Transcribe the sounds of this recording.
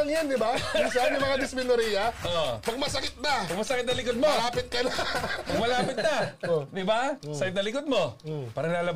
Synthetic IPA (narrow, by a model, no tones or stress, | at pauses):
ɐŋjand̪ɪbaŋsanɐmɐŋad̪ɪsmɪnoɾiːjɐʔoʔpɐɡ̚mɐsɐkɪt̪̚nɐpɐɡ̚mɐsɐkɪt̪̚nɐlɪkod̪̚moɐaːpɪt̪̚kɐnapɐɡ̚mɐlaːpɪt̪̚nɐd̪ɪbasɐkɪt̪nɐlɪkod̪̚mo̞paːɾɐŋlaːlɐb